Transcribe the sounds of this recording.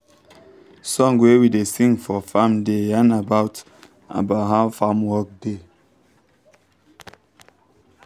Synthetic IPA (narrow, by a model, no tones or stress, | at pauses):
sɔ̃ŋwewidesĩŋfɔfamdeanabaʊt | a̰baɦafamwɔk̚de